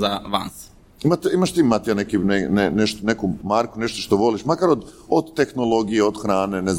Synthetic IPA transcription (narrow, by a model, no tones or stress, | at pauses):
zaʋa̰s | imat̪eimaʃt̪iːmat̪ijanekineneneʃt̪onekumaɾkuneʃt̪oʃt̪oʋo̞liʃmakaɾod̪od̪t̪e̞xno̞lo̞ɡijeod̪xɾaːnenez